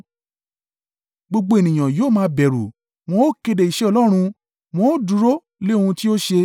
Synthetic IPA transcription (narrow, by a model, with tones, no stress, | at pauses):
ɡ͡bo˧ɡ͡bo˧e˨nĩ˨ã˨joː˦˨mãː˧˦bɛ˨ɾu˨ | w̃ɔ̃˧˦o˦ke˧de˨i˨ʃɛ˨˦ɔ˧lɔ˦ɾ̃ũ˧ | w̃ɔ̃˦o˦du˨˦ɾo˦ | le˦o˦˧ũ˧ti˦o˦ʃe˧